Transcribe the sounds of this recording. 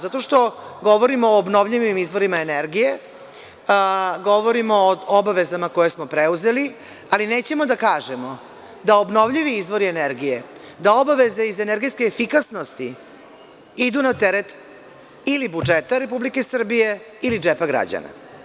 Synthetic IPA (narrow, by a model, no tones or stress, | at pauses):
zat̪o̞ʂt̪o̞ɡo̞ʋo̞ɾimoːbno̞ʋʎiʋimizʋo̞ɾimaeneɾɡije̞ | ɡo̞ʋoɾimoːobaʋe̞zamako̞je̞smo̞pɾeuze̞li | aline̞ːt͡ɕe̞mo̞d̪akaːʒemo̞ | d̪aobno̞ʋʎiʋiizʋo̞ɾieneɾɡije̞ | d̪ao̞baʋe̞ze̞izeneɾɡiskeːfikasno̞st̪i | id̪unat̪eɾet̪ | ilibud͡ʒet̪aɾe̞publike̞sr̩bije̞ | ilid͡ʒepaɡɾa̰d͡ʑa̰na̰